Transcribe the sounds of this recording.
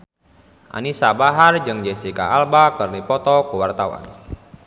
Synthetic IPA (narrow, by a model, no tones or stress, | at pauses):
ʔa̰nisabaɦard͡ʒɨŋd͡ʒesika̰albakɨrnipɔt̪ɔkuwart̪awa̰n